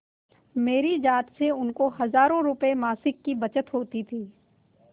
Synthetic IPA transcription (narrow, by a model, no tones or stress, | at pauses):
meːɾid͡ʒaːt̪seʊnkohɐzaːɾõɾʊpemaːsɪkːibɐt͡ʃət̪ɦoːt̪it̪ʰiː